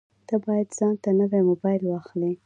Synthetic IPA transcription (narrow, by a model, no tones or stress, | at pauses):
d̪̥abɑjad̪z̥ɑnt̪anəwemobɑjɪlwɑxli